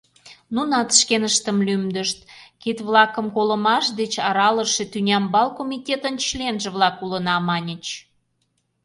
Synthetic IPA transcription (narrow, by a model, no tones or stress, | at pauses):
nunɑt̪ʃkenəʃt̪əmlymd̪əʃt̪kit̪βlɑkəmkoləmɑʃd̪et͡ɕɑɾɑləʃet̪ynʲɑmbɑlkomʲit̪ʲet̪ənt͡ɕlenʒə̆βlɑkulənɑmɑnʲə̆t͡ɕ